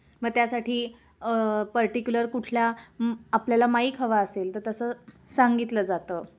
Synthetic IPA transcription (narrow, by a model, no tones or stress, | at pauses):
məɡ̚t̪jasaʈʰiː | pəɾʈikjuləɾkuʈʰlaː | pljalamaiːkʰəʋaəselt̪əɾt̪əsəːsaŋɡit̪ləːd͡zat̪ə